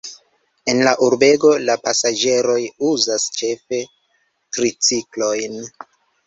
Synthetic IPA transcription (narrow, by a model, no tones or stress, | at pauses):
e̞nlaʔuɾbe̞ɡo̞lapasad͡ʒe̞ɾo̞juzast͡ʃe̞fe̞ | tɾit͡siklo̞jn